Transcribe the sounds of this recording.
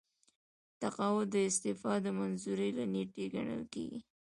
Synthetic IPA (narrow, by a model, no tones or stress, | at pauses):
t̪aqɑwʊd̪əɪst̪ɪfɑd̪əmanzuɾilaneʈeɡa̰ɳə̰lkḛɡḭ